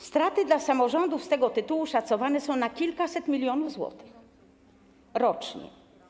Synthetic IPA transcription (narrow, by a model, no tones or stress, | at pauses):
st̪ɾat̪ɘd̪lasamɔʐɔnd̪ufst̪ɛɡɔt̪ɘt̪uwuʂat̪sɔvanɛsɔ̃w̃nakʲilkasɛt̪mʲilʲjɔnuvzwɔ̰t̪ɘ̥x | ɾɔt͡ʂɲɛ̰